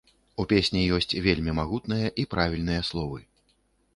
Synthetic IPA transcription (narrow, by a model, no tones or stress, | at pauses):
upʲesʲnʲijɔsʲt͡sʲvʲelʲmʲimaɣut̪nɨjɐʔipɾavʲilʲn̪ɨjɐslˠɔvɨ